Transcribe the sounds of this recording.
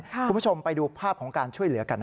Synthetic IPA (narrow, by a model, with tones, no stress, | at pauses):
kʰu˧m˦u˥˩t͡ɕʰo˧mpa˧jduː˧pʰaː˥˩p̚kʰɔː˩˦ŋkaː˧nt͡ɕʰu˥˩əjlɯ˩˦ɐka˧nː